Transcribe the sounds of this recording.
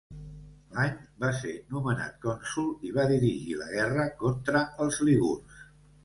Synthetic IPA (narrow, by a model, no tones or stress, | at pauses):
laɲbasenuməna̰t̪̚kɔnsulˠiβaðiɾiʒiləɣɛrəkont̪ɾəəlˠzliβṵrs